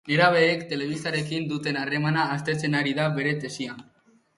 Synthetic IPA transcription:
e̞ɾaβ̞e̞ːkt̪e̞le̞β̞ist̪aɾe̞kind̪ut̪e̞nare̞manaːst̪e̞t͡se̞naɾiðaβe̞ɾe̞t̪e̞sian

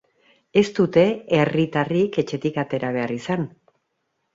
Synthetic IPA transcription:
e̞st̪ut̪e̞erit̪arike̞t͡ʃe̞t̪ikat̪e̞ɾaβe̞arisan

